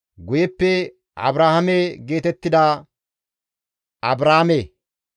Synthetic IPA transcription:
ɡʊjɛpːɛ | ɐ̰bɾaːhɐmɛɡe̞ːt̪ɛt̪ːɪd̪a | ɐbɾaːme

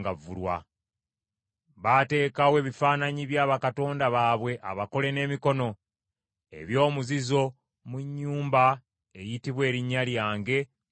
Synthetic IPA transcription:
ɡavṵlwa̰ | βate̞ːkawe̞ːβifaːnaɲiβjaːβakato̞ːndaβaːβwe̞ʔa̰βako̞le̞ne̞ːmiko̞no̞ | e̞̰βjo̞ːmuzizo̞ | muɲːuːmba | e̞jitiβwe̞ːɾiɲːaljaːŋɡe̞

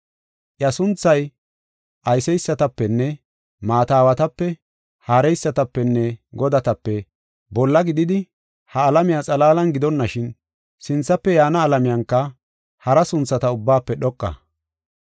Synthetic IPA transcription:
ʔjɐsʊnt͡sːɐj | ʔɐjsɛjsːɐt̪ɐpːɛnːɛ | maːt̪aːwɐt̪ɐpːɛ | haːɾɛjsːɐt̪ɐpːɛnːɛɡɔd̪ɐt̪ɐpːɛ | bɔlːɐɡɪd̪ɪd̪ɪ | hɐːlɐmɪjat͡sʼɐlaːlɐnɡɪd̪ɔnːɐʃɪn | sɪnt͡sːɐpːɛjaːnɐːlɐmɪjɐŋkːɐ | hɐɾɐsʊnt͡sːɐt̪ɐʊbːaːpːɛɗɔkʼːɐ̰

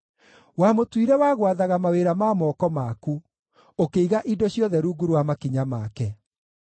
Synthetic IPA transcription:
wamotwiɾɛwaːɣwaðaɣamaweɾamaːmɔːkɔmaku | okeiɣaʔidɔɕjɔðɛɾuːɡuɾwamakiɲamakɛ

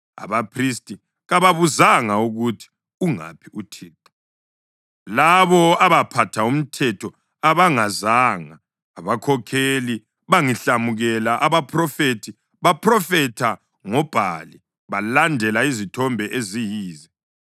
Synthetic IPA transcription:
a̰βapʰris̬tʼi | ɣaβaβuzaŋauɣutʰi̥ | uŋa̰pʰiʔutʰiːtʰu̥ | laβɔaβapʰatʰaum̩tʰɛtʰɔ | aβaŋazaːŋaː | βakʰɔkʰeli | βaŋiɬamuɣɛlaʔaβapʰrɔfetʰi | βapʰrɔfɛtʰa | ŋɔb̥ʱali | βalandʱɛlaizitʰɔmbʱɛʔezijiːzɛ

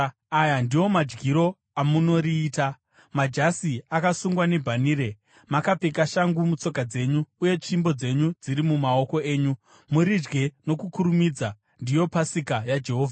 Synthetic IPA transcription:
ajandiwo̞mad͡ʒɡiɾo̞ | amuno̞ɾiːta | mad͡ʒasiakasuŋɡwane̞bʱaniːɾe̞ | makapekaʃaŋɡumut͡so̞kad͡ze̞ɲuːje̞t͡ʃimbo̞d͡ze̞ɲud͡ziɾimumao̞ko̞e̞ːɲu | muɾid͡ʒɡe̞no̞kukuɾumid͡za | ndijo̞pasikajad͡ʒe̞ɦo̞ːvʱa

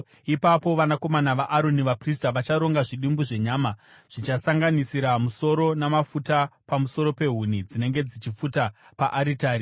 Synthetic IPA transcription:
ipapo̞ʋanako̞manaʋaʔaɾo̞niʋapris̬taʋat͡ʃaɾo̞ŋɡaʐiɗimbuʐe̞ɲaːma | ʐ̥it͡ʃasaŋɡanisiɾamuso̞ɾo̞namafutapamuso̞ɾo̞pe̞ɦunid͡zine̞ŋɡe̞d͡zit͡ʃifuta | paʔaɾitaːɾi

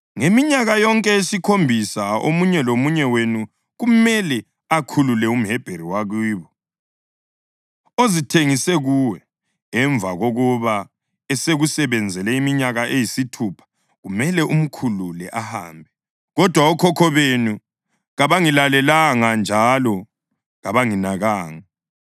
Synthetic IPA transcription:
ŋemiɲaɣajɔŋkʼɛesikʰombʱisao̰muɲɛlomuɲɛwenu | ɣumɛlɛ | akʰululɛum̩ɦɛb̥ʱeɾiwaɣwiːβɔ | ozitʰeŋisɛɣuwɛ | ɛɱvʱaɣoɣuβa | ɛseɣusɛβɛnd͡zʱɛlɛimiɲaɣaʔejisitʰupʰḁ | ɣumɛlɛum̩kʰululɛʔaha̰ːmbʱɛ | ɣɔd̥ʱwaɔkʰɔkʰɔβenu | ɣaβaŋilalɛlaŋand͡ʒʱalɔ | ɣaβaŋinaɣaːŋa

